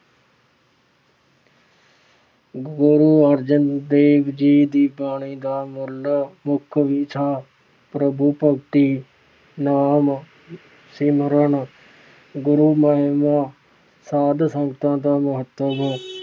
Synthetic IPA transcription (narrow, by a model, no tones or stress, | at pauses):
ɡɡʊɾuːəɾd͡ʒənd̪eːʋd͡ʒiːd̪iːbaːɳiːd̪aːmʊlmʊkʰʋiːt͡ʃʰaː | pɾəbuːpəɡʈ̪iː | naːm | siməɾəɳ | ɡʊɾuːməɦɪmaː | saːd̪səŋɡət̪ãːd̪aːmʊɦət̪əb